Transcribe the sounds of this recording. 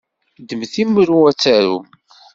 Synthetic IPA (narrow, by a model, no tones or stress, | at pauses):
d̪əmθimːɾuæt͡sːæɾṵ